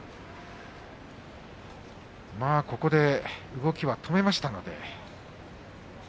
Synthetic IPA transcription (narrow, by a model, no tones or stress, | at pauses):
maːko̞ko̞d̪e̞ɯ̟ɡo̞kʲiβat̪ʰo̞me̞maɕi̥t̪ano̞d̪e̞̰